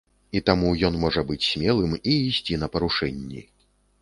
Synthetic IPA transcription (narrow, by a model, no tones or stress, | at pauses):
it̪amujɔnmɔʐɐbɨt͡sʲsʲmʲɛlˠɨmiːsʲt͡sʲinɐpɐɾuʂɛnʲːḭ